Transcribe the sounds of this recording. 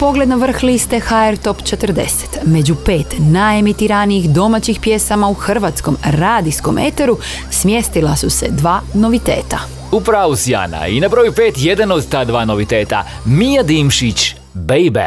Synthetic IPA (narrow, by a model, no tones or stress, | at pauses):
po̞ɡle̞d̪noʋr̩xlist̪e̞xaeɾt̪o̞pt͡ʃe̞t̪r̩d̪e̞̰se̥t̪me̞d͡ʑupe̞ːt̪najemit̪iɾanijixd̪o̞mat͡ɕixpje̞samauxr̩ʋat̪sko̞mɾaːd̪isko̞̰mʔe̞t̪eɾu | smje̞st̪ilˠasuse̞d̪ʋaːno̞ʋit̪e̞̰ːt̪a | upɾaːʋusja̰ːna̰inabɾojupeːt̪je̞d̪anod̪t̪aːd̪ʋaːnoʋit̪eːt̪a̰ | mijad̪iːmʃit͡ɕ | beibḛ